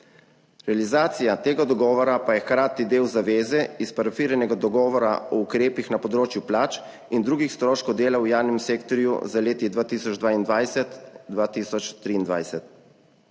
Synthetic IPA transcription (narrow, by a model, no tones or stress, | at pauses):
ɾɛalizaːt̪sijat̪eːɡad̪ɔɡɔːʋɔɾapajɛxkɾaːt̪id̪eːwzaʋeːzɛispaɾafiːɾɛnɛɡad̪ɔɡɔːʋɔɾa̰ɔukɾeːpixnapɔd̪ɾoːt͡ʃjuplaːt͡ʃ | ind̪ɾuːɡixst̪ɾoːʃkɔd̪eːlawjaːwnɛmseːkt̪ɔɾjṵzaleːt̪id̪ʋaːt̪iːsɔd͡ʒd̪ʋaːind̪ʋajsɛt̪d̪ʋaːt̪iːsɔt͡ʃt̪ɾiːnd̪ʋa̰jsɛt̪̚